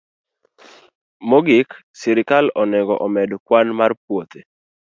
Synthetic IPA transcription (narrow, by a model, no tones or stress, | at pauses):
mɔɡɪk | sɪɾɪkalɔnɛɡɔ̰ʔɔmɛdkwanmarpwot̪e